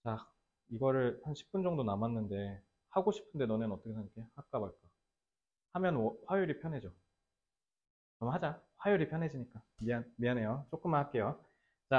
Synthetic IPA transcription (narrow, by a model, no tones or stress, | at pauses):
t͡ɕa | iɡʌɾɯɭhanɕʰi̥p͈̚und͡ʑʌŋdonamanːɯnde̞ | haɡoɕʰi̥pʰɯnde̞nʌnɯnʌt͈ʌkʰesʰak͈ʰe̞hak̚k͈abaɭk͈a | hamjʌnwʌɸwajuɾipʰjʌnɦe̞d͡ʑo | nʌmaɦad͡ʑaɸwajuɾipʰjʌnɦe̞d͡ʑiɲik͈amianmianɦe̞jot͡ɕ͈ok͈ɯmaak͈e̞jo | t͡ɕa